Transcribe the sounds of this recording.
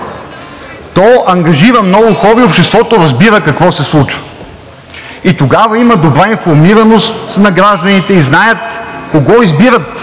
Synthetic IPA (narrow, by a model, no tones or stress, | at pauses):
t̪ɔʔɐŋɡɐʒiɾɐmnɔɡʊxɔɾiːopʃt̪ɛst̪vɔt̪oɾɐzbiɾəkɐkvɔsɛslˠut͡ʃvə̥ | it̪oɡavɐimɐd̪obɾainfoɾmiɾɐnost̪nɐɡɾaʒd̪ɐnit̪ɛiznajət̪koɡɔizbiɾət̪